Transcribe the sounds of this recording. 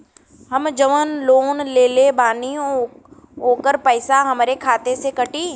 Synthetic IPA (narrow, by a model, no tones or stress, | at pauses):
ɦɐmd͡ʒɐʋənloːnleːlebaːnĩ | ɦoːkəɾpɐːɪsaɦɐmɾekʰaːt̪esekɐʈiː